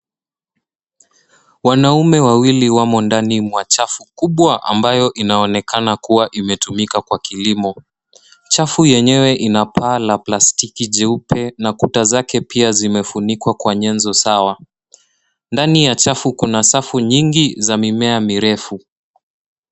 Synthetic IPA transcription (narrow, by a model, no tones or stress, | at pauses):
wanaumɛwawiliwamɔndanimwat͡ʃafukuɓwaʔa̰mbajɔʔinaɔnɛkanakuwaʔimɛtumikakwakilimɔ | t͡ʃafujɛɲɛwɛʔinapʰaːlaplastikiʄɛupɛnakutazakɛpiazimɛfunikwakwaɲɛnzɔsawa | ndanijat͡ʃafukunasafuɲiŋɡizamimɛamiɾɛfu